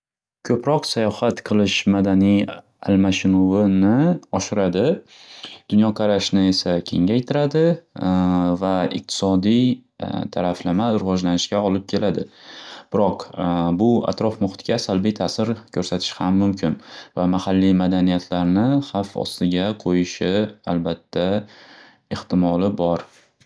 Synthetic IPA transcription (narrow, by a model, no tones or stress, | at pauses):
kʲʰɵpɾɒqsajɒhat̪qʰɨlˠɪʃmad̪anij | a̰lmaʃɪnʊvɪnɪɒʃɪɾad̪ɪ | d̪̥ʊnjɒqʰɑɾaʃnɪe̞sakʲʰe̞ŋajt̪ʰɪɾad̪ɪ | vaɪ̰q̚t̪ʰɪ̥sɒd̪ijt̪ʰaɾaflamaɾɪvɒd͡ʒlanɪʃkʲaɒlɪp̚kʲʰe̞lʔad̪ɪb̥ɪɾɒqbʊa̰t̪ɾɒfmʊχt̪ɡʲasalbijt̪ʰasɪɾkʲʰɵɾsat̪ʰɪ̥ʃhamːʊmkʰʲɪnvamahalːijmad̪anijat̪ʰlaɾnɪχafɒ̰st̪ɪɡʲaqʰojɪʃɪalbat̪ʰːa | eht̪ɪmɒlɪbɒɾ